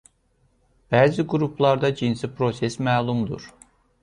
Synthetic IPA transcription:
b̥æːziɡuɾupʰlˠɑɾd̪ɑd͡ʒinsipʰɾo̞sesmæːlˠumd̪ṵɾ̥

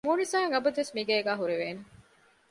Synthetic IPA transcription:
muːnisaːŋɐbɐd̪uʋesmiɡɐːɡæːɦuɾeʋeːne

